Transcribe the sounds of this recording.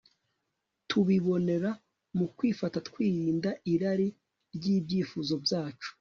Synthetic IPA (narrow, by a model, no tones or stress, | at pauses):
tʰuβiβo̞ne̞ɾa | mukwiːfatatkwiːɾiːndaiɾaɾi | ɾɟiːbɟiːfuzo̞bjaːt͡ʃu̥